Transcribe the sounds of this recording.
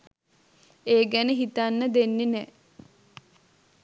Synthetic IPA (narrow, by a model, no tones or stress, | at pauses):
eːɡænəɦit̪anːəd̪enːenɛː